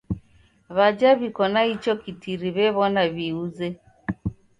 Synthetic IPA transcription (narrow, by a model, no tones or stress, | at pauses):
βad͡ʒaβikɔnait͡ʃɔkitiɾiβɛβɔnaβiuzɛ